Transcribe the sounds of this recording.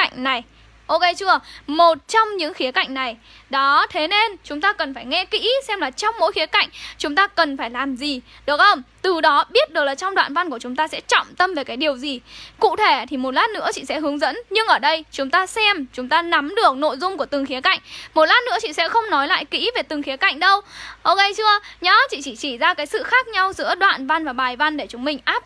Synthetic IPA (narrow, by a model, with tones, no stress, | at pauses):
ŋ̟na˨˩j | ʔo˧ke˧jt͡ɕɨ˧əmo˨˩t̚t͡ɕɔ˧wŋ͡mɲɨ̰˧˥ŋxi˨˦əka̰˧˨jŋ̟na˨˩j | ɗɔ˨˦t̪ʰe˨˦ne˧nt͡ɕʊ˨˦ŋ͡mt̪aː˧kə˨˩nfaː˧˩jŋɛ˧kḭ˧˥sɛ˧mlaː˨˩t͡ɕɔ˧wŋ͡mmo̰˧˥jxi˨˦əka̰˧˨jŋ̟t͡ɕʊ˨˦ŋ͡mt̪aː˧kə˨˩nfaː˧˩jlaː˨˩mzi˨˩ | ɗɨ˨˦t̚xə˧wŋ͡mt̪ɨ˨˩ɗɔ˨˦ɓi˦˥ət̚ɗɨ˨˩ək̚laː˨˩t͡ɕɔ˧ŋ͡mɗwa̰ː˧˨nva˧nku˧˩ət͡ɕʊ˨˦ŋ͡mt̪aː˧sɛ̰˧˥t͡ɕɔ̰˧˨wŋ͡mt̪ə˧mve˨˩kaː˨˦jɗi˨˩əwzi˨˩kṵ˧˨t̪ʰe˧˩t̪ʰi˨˩mo˨˩t̚laː˦˥nːɨ̰˧˥ət͡ɕḭ˧˨sɛ̰˧˥ɦɨ˨˦əŋzə̰˧˥nɲɨ˧ŋʔəː˧˩ɗə˧jt͡ɕʊ˨˦ŋ͡mt̪aː˧sɛ˧mt͡ɕʊ˨˦ŋ͡mt̪aː˧na˨˦mɗɨ˨˩ək̚no̰˧˨jzʊ˧ŋ͡mku˧˩ət̪ɨ˨˩ŋxi˨˦əka̰˧˨jŋ̟mo˨˩t̚laː˦˥nɨ̰˧˥ət͡ɕḭ˧˨sɛ̰˧˥xə˧wŋ͡mnɔ˨˦jla̰ː˧˨jkḭ˧˥ve˨˩t̪ɨ˨˩ŋxi˨˦əka̰˧˨jŋ̟ɗə˧wʔo˧ke˧jt͡ɕɨ˧əɲɔ˨˦t͡ɕḭ˧˨t͡ɕi˧˩t͡ɕi˧˩zaː˧kaː˨˦jsɨ̰˧˨xaː˦˥k̚ɲa˧wzɨ̰˧˥əɗwa̰ː˧˨nva˧nvaː˨˩ɓaː˨˩jva˧nɗe˧˩t͡ɕʊ˨˦ŋ͡mmï˨˩ŋ̟ʔaː˦˥p̚